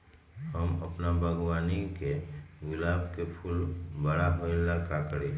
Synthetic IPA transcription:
həmɐ̰pnabʱəɡwaːnikeɡʊlaːbkepʰʊlbəɽaɦoɪlakaːkɽe

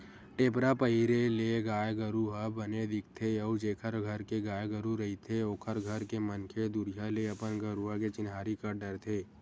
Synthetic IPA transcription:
ʈeːpɾapəiɾeleɡaːjɡəɾuɦabəned̪ɪk̚ʰt̪ʰeɐud͡ʒeːkʰəɾɡʱəɾkeɡaːjɡəɾuɾɐɦit̪ʰeoːkʰəɾɡʱəɾkemənkʰed̪ʊɾjaleɐpənɡəɾuaket͡ʃɪnɦaːɾikəɾɖəɾt̪ʰeː

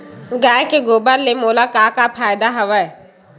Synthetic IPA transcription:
ɡaːjkeɡoːbəɾlemoːlaːkaːkapʰaːɪd̪aɦəʋəɛ

